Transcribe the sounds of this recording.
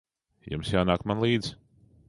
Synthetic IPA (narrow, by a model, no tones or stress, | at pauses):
jṵmsjaːnaːkmanlˠiːd̪z̥